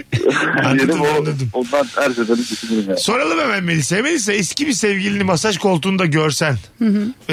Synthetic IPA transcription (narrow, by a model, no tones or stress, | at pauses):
anːaɾd̪ɯmanːˠad̪ɯmond̪anhæɾzevaniɟet͡ʃʰiniɾimjaso̞ɾalˠɯbɛmænmelʲisejmelʲisɛɛscibisɛvɟilʲinimasaʒkʰo̞lˠt̪ʰuːnud̪aɟøɾsænhɯɦ